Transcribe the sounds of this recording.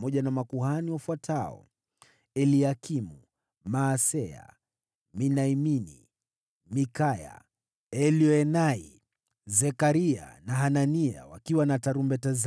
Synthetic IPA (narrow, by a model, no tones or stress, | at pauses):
mɔʄanamakuɦaniwafwatʰaɔ̰ | ɛliakimu | maːsɛa̰ | minaiminḭ | mikaja̰ | ɛliɔɛnai | zɛkaɾia̰naɦanania̰wakiwanataɾumbɛtaz